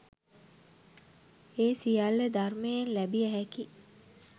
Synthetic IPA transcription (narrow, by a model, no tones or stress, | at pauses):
eːsijalːəd̪armejenlæbiæɦɛki